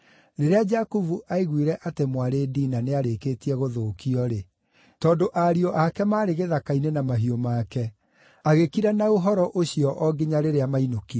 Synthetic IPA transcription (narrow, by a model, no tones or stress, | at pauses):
ɾeɾead͡ʒakuvuʔaiɣwiɾɛʔatemwaɾeːdiːnaneaɾekeːtiɛɣoðoːkiɔɾe | tɔːndoʔaɾiɔʔakɛmaːɾeɣeðakainenamaɦiomaːkɛ | aɣekiɾɛnaoɦɔɾɔʔoɕiɔʔɔɡeɲaɾeɾeamainokiɔ